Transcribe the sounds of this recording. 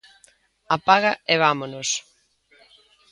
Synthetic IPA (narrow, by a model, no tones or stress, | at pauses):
apaɣɐeβamonos